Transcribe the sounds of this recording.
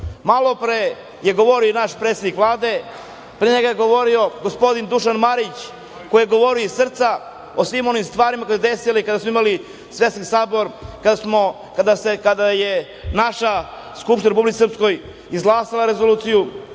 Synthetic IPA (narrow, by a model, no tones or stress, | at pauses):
malˠopɾe | jeɡo̞ʋoɾionaʃpɾet̪sed̪nikvlˠaːd̪e̞ | pɾeɲeɡajeɡo̞ʋo̞ɾio̞ɡospo̞d̪ind̪uʃanmaɾit͡ɕ | kojeɡo̞ʋo̞ɾijoisr̩t̪sa | osʋimo̞nimst̪ʋaːɾimako̞jeseesilaikad̪asmoimali | sʋet̪saksaːbo̞ɾkad̪asmo | kad̪asekad̪aje | naʃa | skupʃt̪inaɾepublit̪isrpsko̞j | izɡlˠaːsilaɾe̞zoluːt̪siju